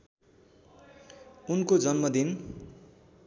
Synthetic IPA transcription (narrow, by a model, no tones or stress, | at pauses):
unkod͡zʌnmʌd̪in